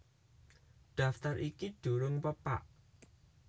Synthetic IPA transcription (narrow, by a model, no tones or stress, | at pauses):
ɖ̥a̤ft̪aɾʔikiɖ̥ṳɾʊŋpəpa̰ʔ